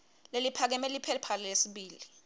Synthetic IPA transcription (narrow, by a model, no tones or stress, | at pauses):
lelipʰak̬ɛmɛlipʰɛpʰalilesiɓiːli